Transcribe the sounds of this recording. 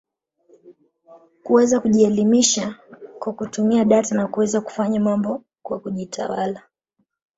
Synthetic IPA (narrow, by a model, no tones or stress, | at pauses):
kuwɛzakuʄiɛlimiʃakwakutumiaɗatinakuwɛzaku̥faɲamambɔ | kwakuʄitʰa̰wala